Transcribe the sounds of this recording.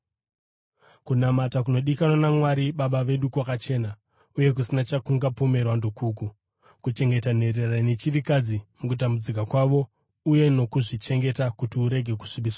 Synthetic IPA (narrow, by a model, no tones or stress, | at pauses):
kunamatakuno̞ɗikanwanamwaɾiɓaɓaʋe̞ɗukwakat͡ʃe̞ːna | uje̞k̬usinat͡ʃakuŋɡapo̞me̞rwandokʰuku | kut͡ʃe̞ŋɡe̞tan̤e̞rerrane̞t͡ʃirikad͡zimukutambud͡zik̬akwaʋo̞ | uje̞no̞kuʐit͡ʃe̞ŋɡe̞takutiuɾe̞ɡʱe̞ku̥ʂiɓiswa